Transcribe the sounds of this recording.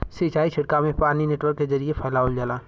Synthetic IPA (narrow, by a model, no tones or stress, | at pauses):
sit͡ʃaːit͡ʃʰɪɽkamẽpaːɾnineːʈwəɾkːezɐɾiepʰaːlaːold͡ʒalaː